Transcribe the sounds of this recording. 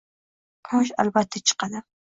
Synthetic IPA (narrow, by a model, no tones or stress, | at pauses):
qʰoʃ̬a̰lbat̪ʰːat͡ʃʰɨ̥qɑd̪ɪ